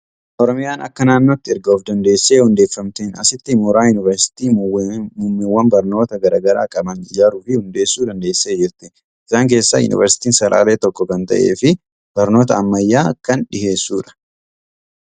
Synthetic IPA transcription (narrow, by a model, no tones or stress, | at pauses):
ʔɔɾɔmɪjaːnɐ̰kːɐnaːnːoːt̪ːɪɪɾɡoːfd̪ɐnd̪e̞ːsːe̞ːhʊnd̪e̞ːfːɐmt̪eːnɐ̰sɪt̪ːɪmʊɾaːjʊnɪvɐɾsɪ̥t̪iːmʊmːɪwːɐnbɐɾno̞ːt̪ɐɡɐɾaːɡɐɾaːkʼɐbɐnɪd͡ʒaːɾuːfɪhʊnd̪e̞ːsːuːd̪ɐnd̪e̞ːsːe̞ːd͡ʒɪɾt̪ɪ | ɪsaːŋk̬e̞ːsːajʊ̰nɪ̰vɐɾsɪ̥t̪iːnsɐɾʔa̰ːleːt̪ɔkːɔkɐnt̪ɐ̰ʔe̞̰ːfɪ | b̥ɐɾno̞ːt̪ɐːmːɐjːaːkːɐnᶑɪhe̞ːsːuːᶑɐ̥